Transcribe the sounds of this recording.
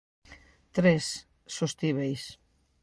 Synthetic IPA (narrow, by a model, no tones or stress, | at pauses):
t̪ɾesː | ost̪iβejs